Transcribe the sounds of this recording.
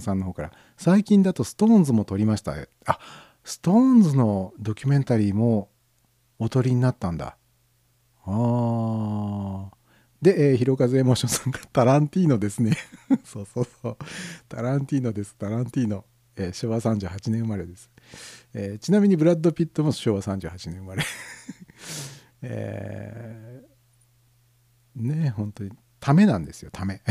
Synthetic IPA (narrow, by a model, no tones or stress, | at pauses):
sãnːo̞ɦo̞ːkaɾa̰ | saikʲĩnd̪at̪o̞sɨ̥t̪õ̞ːnzɨmo̞t̪o̞ɾʲimaɕi̥t̪a̰e | a | sɨ̥t̪õ̞ːnzɨno̞d̪o̞kʲymẽ̞nt̪aɾʲiːmo̞ː | t̪o̞ɾʲiɲ̟inat̪ːãnd̪a̰ | aː | d̪e̞ʔeːçiɾo̞kazeemo̞ːɕõsãŋkat̪aɾãnt̪ʲiːno̞d̪e̞sɨne̞soːsoːsoːt̪aɾãnt̪ʲiːno̞d̪e̞sɨ̥t̪aɾãnt̪ʲiːno̞ | eːɕo̞ːβasãɲ̟d͡ʑɨːhat͡ɕinẽɰɯmaɾe̞d̪e̞sɨ̥eːt͡ɕinamʲiɲ̟ibɯ̟ɾad̪ːo̞pʲit̪ːo̞mo̞ɕoːβasãɲ̟d͡ʑɨ̰ːhat͡ɕinẽ̞ɰɯmaɾe | ḛ | nehõ̞nt̪o̞ɲ̟i | t̪ʰame̞nãnd̪e̞sɨjo̞t̪ʰame̞